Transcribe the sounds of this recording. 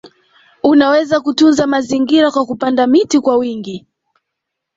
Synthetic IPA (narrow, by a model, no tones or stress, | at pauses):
unawɛzakutunzamaziŋɡiɾakwakupandamitikwawiŋɡi